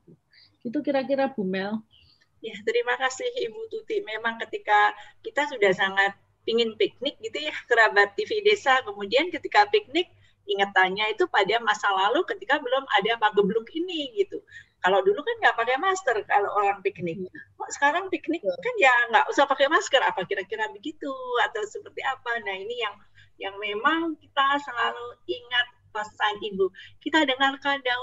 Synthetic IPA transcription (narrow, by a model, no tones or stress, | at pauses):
ɡ̥it̪̬ukiɾakiɾabumɛl | jat̪əɾimakasɪhibut̪ut̪imemaŋkət̪ikakit̪asudahsaŋat̪̚ | piŋɪnpik̚nɪk̚ɡit̪ujahkəɾabat̪ːifidesakəmudiankət̪ikapik̚nɪk̚ | iŋət̪ːaɲait̪upadamasalalukət̪ikabəlʊma̰damaɡəblʊkiniɡit̪ukaladulukanŋɡaʔpakemast̪ərkaloʔoɾaŋpik̚nɪk̚sə̥kaɾaŋpiknɪk̚kanjaŋɡaʔusahpakemaskəɾapakiɾakiɾabəɡit̪uat̪awsəpərt̪iapanainijaŋ | jaŋmemaŋkit̪asəlaluiŋat̪̚masaŋibukit̪adəŋarkadaŋ